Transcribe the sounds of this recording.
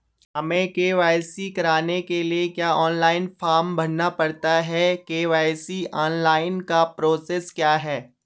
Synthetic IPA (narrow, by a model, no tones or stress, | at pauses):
ɦɐmẽkeːʋaːjsikɐɾaːnekeliekjaːɔːnlaːɪnfaːɾmbɐɽnapɐɽt̪aɦɛkeːʋaːjsiɔːnlaːɪnkapɾoːseːskjaːɦɛː